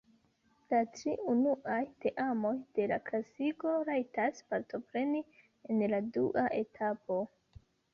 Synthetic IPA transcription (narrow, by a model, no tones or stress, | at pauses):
latɾiunuʔajte̞ʔamo̞jd̥e̞laklasiɡo̞ɾajtaspaɾto̞pɾe̞ni | enladṵʔaʔe̞tʰapo̞